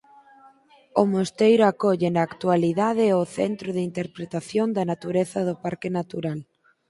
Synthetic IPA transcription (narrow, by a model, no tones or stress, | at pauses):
ʊmost̪ejɾʊakɔʎenaːkt̪ualiðað̞ɪʊθḛnt̪ɾʊðint̪eɾpɾet̪aθjond̪ɐnat̪uɾeθɐðʊpaɾkɪnat̪uɾal